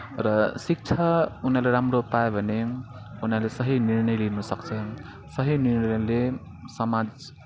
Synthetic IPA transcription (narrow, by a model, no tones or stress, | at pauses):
ɾʌsik̚t͡ʃʰaunaleɾamɾopaebʱʌne | unalesʌɦiniɾnʌjlinusʌk̚t͡sʰʌ | sʌɦiniɾnle | sʌmad͡z